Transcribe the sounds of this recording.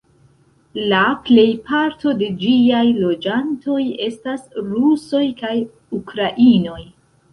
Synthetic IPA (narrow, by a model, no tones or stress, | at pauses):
laple̞jpʰaɾto̞de̞d͡ʒiajlo̞d͡ʒanto̞je̞stasɾuso̞jkaj | ukɾaʔino̞j